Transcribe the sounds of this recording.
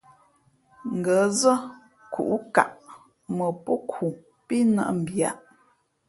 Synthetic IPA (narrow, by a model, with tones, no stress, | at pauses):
ŋ̩˨ɡə˨˦zə˦ | kṵ˨ʔka̰˨ʔ | mə˨po˦kʰu˨ | pi˦nə̰˦ʔm̩˨bja̰˦˨ʔ